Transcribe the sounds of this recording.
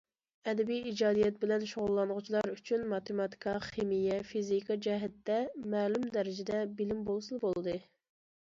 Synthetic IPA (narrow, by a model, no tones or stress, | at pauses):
ɛd̪ɛbijid͡ʒɑːd̪ijɛt̪̚bɪlɛnʃoʁʊlˠːɑnʁʊt͡ʃʰilˠɑɾyt͡ʃʰynmɑt̪emɑt̪ʰi̥kʰɑχemijɛfizikɑd͡ʒɛɦɛt̪ːɛmæːlymd̪ɛɾɪd͡ʒɪd̪ɛbɪlɪmbolˠsunbolˠɨd̪ɨ